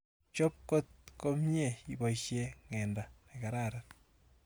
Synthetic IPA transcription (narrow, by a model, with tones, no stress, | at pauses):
t͡ʃo˦p̚ko˦t̪̚ko˦mje˦˨i˨bo˨iʃje˦ŋe˨nda˨neka˨ɾaɾat